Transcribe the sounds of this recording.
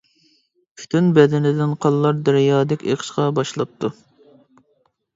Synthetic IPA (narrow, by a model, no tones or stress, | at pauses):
pʲʰy̥t̪ʰynbɛd̪ɪnɪd̪ɪnqʰɑlˠːɑɾd̪æɾjɑːd̪ɪkʲḛqʰə̥ʃqɑbɑʃlˠɑp̚t̪ʰu